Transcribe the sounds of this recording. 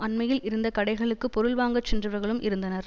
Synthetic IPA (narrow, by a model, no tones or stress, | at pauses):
ɐɳmɐjɪlɪɾɯnd̪ɐkɐɽɐɪɣɐɭɯkːɯpɔɾɯɭʋaːŋɡɐt͡ʃːɛndrɯʋɐɾɣɐɭɯmʔɪɾɯnd̪ɐnɐɾ